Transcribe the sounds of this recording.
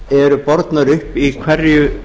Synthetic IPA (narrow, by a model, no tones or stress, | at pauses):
ɛɾʏpɔɾt̪naɾʏhpikʰvɛɾjʏ